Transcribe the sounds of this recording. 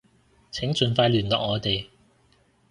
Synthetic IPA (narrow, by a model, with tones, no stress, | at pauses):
t͡sʰɪ˨˥ŋt͡ʃɵ˨nfaː˧jlyː˨˩nt̪ɔ̰ː˨˩ŋɔː˨˧t̪e˨j